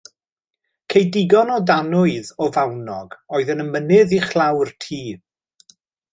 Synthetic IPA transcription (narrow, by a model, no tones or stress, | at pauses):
kʰejdɪɡɔnɔdanʊɨðɔvawnɔɡɔːɨðənəmənɪðiχlˠawrtʰiː